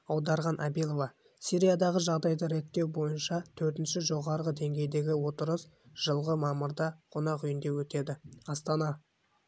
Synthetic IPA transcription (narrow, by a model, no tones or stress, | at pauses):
ɑwd̪ɑɾʁɑnʔæbilˠo̞vɑ | siɾijad̪ɑʁəʒɑʁd̪ɑjd̪əɾe̞t̪ːe̞wbo̞jənʃɑt̪ʰɵɾt̪ɪnʃɪʒo̞ʁɑɾʁəd̪e̞ŋɡʲe̞jd̪e̞ɡʲɪwo̞t̪əɾəs | ʒ̥əlˠʁəmɑmʊɾd̪ɑqʰo̞nɑqʏjɪnd̪e̞wɵt̪e̞d̪ɪɑst̪ɑnɑ